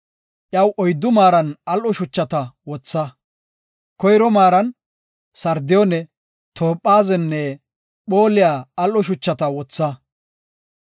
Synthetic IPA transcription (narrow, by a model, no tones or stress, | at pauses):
ʔjɐwʔɔjd̪ːʊmaːɾɐnɐlʔɔʃʊt͡ʃːɐt̪ɐwɔt͡sːɐ | kɔjɾɔmaːɾɐn | sɐɾd̪ɪjɔnɛ | t̪ʰoːpʼːaːzɛnːɛ | ɓo̞ːlɪjaːɐlʔɔʃ̬ʊt͡ʃːɐt̪ɐwɔt͡sːɐ